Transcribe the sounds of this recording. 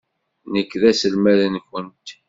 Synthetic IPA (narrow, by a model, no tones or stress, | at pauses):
nəkːðæsəlmæðənçənt̪